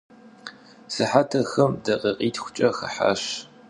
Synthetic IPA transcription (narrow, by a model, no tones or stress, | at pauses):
sɨħatʰɐxɐmdɐqʼɐqʼiːtʰxʷʊ̥t͡ʃʼɐxɐ̰ħa̰ɕ